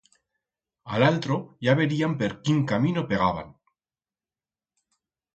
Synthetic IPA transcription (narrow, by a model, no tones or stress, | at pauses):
alalt̪ɾo̞ʝaβe̞ɾiampe̞ɾkiŋkamĩno̞pe̞ɣ̞aβa̰n